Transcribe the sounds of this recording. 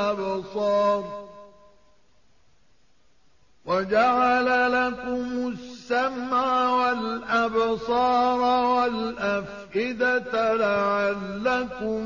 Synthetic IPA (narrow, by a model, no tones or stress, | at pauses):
absˤɑːɾˤ | wad͡ʒaʕalalakʊmʊsːamʕawalʔabsˤɑːɾˤwalʔaf | ʔɪd̪at̪alaʕalːakʊm